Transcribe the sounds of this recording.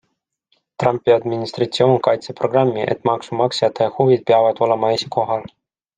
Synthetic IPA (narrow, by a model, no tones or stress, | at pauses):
t̪rɑmpˑːiɑd̪minist̪rɑt̪sio̞ːnkɑjt̪sepro̞ɡrɑmːiʔḛt̪ːˑmɑksumɑksjɑt̪ːˑɑɑhuvid̪̥̚peɑvɑd̪̥o̞le̞mɑesʲi̥kʰo̞ɦɑl